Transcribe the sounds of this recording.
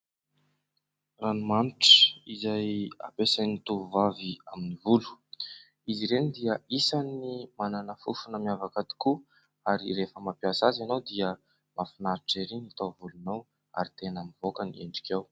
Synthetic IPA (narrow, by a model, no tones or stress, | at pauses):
ranumaniʈ͡ʂə̥izaja̰pesanit̪uvuvaviaminivulu̥ | iziɾenid̪iəisanimananəfufunəmiavakad̪i̥ku | aɾḭrefəmapiasazanowd̪iə | mʔafinaɾiʈ͡ʂeɾinit̪ovulunow | a̰ɾit̪enamivokəniḛɳɖ͡ʐi̥kʲew